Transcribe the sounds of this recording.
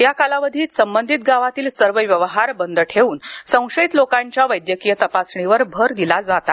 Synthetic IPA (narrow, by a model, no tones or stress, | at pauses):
jakalaʋəd̪ʱiːt̪səmbənd̪ʱit̪̚ɡaʋat̪iːlsəɾʋəʋjəʋɦaɾbənd̪ʱʈʰeuːnsə̃w̃ʂəit̪lokaɲt͡ɕjaʋəjd̪jəkijət̪əpasɳiʋəɾbʱəɾd̪ilad͡zat̪a